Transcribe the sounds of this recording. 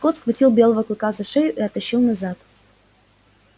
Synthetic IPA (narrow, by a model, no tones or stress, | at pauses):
kot̪sxvɐtʲilˠbʲe̞lˠəvəklˠɨkazɐʂejʊʔiɐt̪ɐɕːilˠnɐzat̪